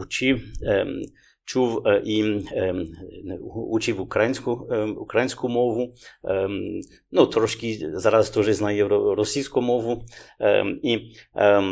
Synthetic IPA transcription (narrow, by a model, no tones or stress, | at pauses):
ut͡ʃiw | t͡ʃuwʔi | ut͡ʃiwukɾajinʲsʲkuukɾajinʲsʲkumɔʋu | nɔt̪ɾɔʃkʲizaɾast̪ɔʒɛznajɛɾɔɾɔsʲijskɔmɔʋu | i